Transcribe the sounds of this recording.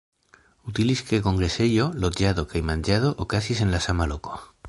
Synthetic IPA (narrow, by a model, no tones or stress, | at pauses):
ut̪iliskeko̞ŋɡɾeseʎolot̪ʝaðokajmãnʲd͡ʒað̞oʔokasisenlasamaloko̥